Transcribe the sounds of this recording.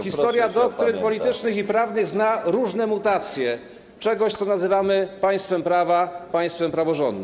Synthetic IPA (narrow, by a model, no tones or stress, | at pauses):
xʲist̪ɔɾjad̪ɔkt̪ɾɘnpɔlʲit̪ɘt͡ʂnɘxipɾavnɘɣznaɾuʐnɛmut̪at̪sʲjɛ | t͡ʂɛɡɔɕt̪sɔnazɘvamɘpaj̃st̪fɛmpɾavapaj̃st̪fɛmpɾavɔʐɔ̰nd̪n